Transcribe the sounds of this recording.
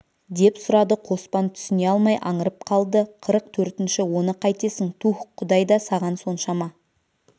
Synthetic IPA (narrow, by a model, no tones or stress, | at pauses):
d̪e̞psʊɾɑd̪əqʰo̞spɑnt̪ʰʏ̥sɪne̞ɑlˠmɑjʔɑɴəɾəp̚qʰɑlˠd̪əqʰəɾəq̚t̪ʰɵɾt̪ɪnʃɪwo̞nəqʰɑjt̪e̞sɪŋt̪ʰuχqʰːʊd̪ɑjd̪ɑsɑʁɑnso̞nʃɑmɑ